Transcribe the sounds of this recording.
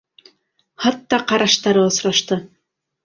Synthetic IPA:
hɑt̪ːɑqɑɾɑʃt̪ɑɾɤŏsɾɑʃt̪ɤ

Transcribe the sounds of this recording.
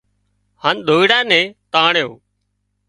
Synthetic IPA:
haːnɗ̪ʱoːiɽaːnẽːt̪aːɳejo̰ː

